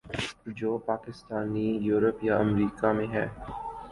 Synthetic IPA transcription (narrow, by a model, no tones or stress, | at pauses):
d͡ʒoːpaːkɪst̪aːnijuːɾəpjaɐmɾiːkamẽɦɛː